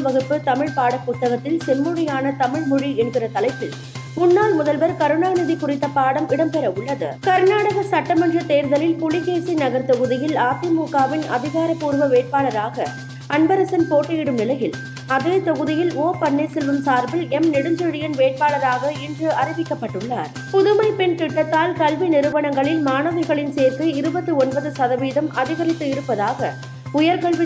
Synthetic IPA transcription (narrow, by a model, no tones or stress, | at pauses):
ʋɐɣɯpːɯt̪ɐmɪɻpaːɽɐpːʊt̪ːɐɣɐt̪ːɪlsɛnmʊɻɐjaːnɐt̪ɐmɪɻmʊɻiɛɳɡɪrɐt̪ɐlɐɪpːɪl | mʊnːaːlmʊðɐlʋɐɾkɐɾɯnaːnɪðɪkʊrɪt̪ːɐpaːɽɐmɪɽɐmpɛɾɐʊɭːɐðɯ̰kɐɾnaːɽɐɣɐsɐʈːɐmɐnrɐt̪eːɾðɐlɪlpʊɭɪɣeːsinɐɣɐɾt̪ɔɣɯðɪjɪlaːt̪ɪmuːkaːʋɪnɐ̰ðɪɣaːɾɐpːuːɾʋɐʋeːʈ̚paːɭɐɾaːɣɐ | ɐɳbɐɾɐsɐnpoːʈːɐjɪɽɯmnɪlɐjɪl | ɐðeːt̪ɔɣɯðɪjɪloːpɐɳːesɛlːɯmsaːɾbɪlɛmnɪɽɯɲd͡ʒɯɽɪjɐnʋeːʈ̚paːɭɐɾaːɣɐɪndrɯɐɾɪʋɪkːɐpːɐʈːɯɭːa̰ːɾ | pʊðɯmɐɪpɛnt̪ɪʈːɐt̪ːaːlkɐlʋinɪɾɯʋɐɳɐŋɡɐɭɪlmaːnɐʋɐɪɣɐɭɪnseːɾt̪ɯɪɾɯbɐt̪ːɯɔnbɐðɯsɐðɐʋiːðɐmʔɐðɪɣɐɾɪt̪ːɯɪɾɯpːɐðaːɣɐ | ʊjɐɾkɐɭʋɪ